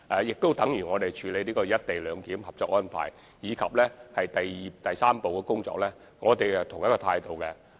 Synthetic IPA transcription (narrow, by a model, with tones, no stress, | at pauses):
ʔɛ˨˧jɪ˨k̚t̪o˥wt̪ɐ˨˥ŋjyː˨˩ŋɔː˨˧t̪e˨jt͡ʃʰyː˨˧le˨˧liː˥kɔː˧jɐ˥t̚t̪e˨jlœː˨˧ŋkiː˨˥mhɐ˨p̚t͡sɔː˧k̚ŋɔː˥npʰa̰ː˨˩j | jiː˨˧kʰɐ˨p̚lɛː˥hɐ˨jt̪ɐ˨jiː˨˩t̪ɐ˨jsaː˥mpo˨wkɛː˧kʊ˥ŋt͡sɔ̰ː˧k̚lɛː˥ | ŋɔː˨˧t̪e˨jt̪ʰʊ˨˩ŋjɐ˥kɔː˧t̪ʰaː˧jt̪o˨wkɛ˧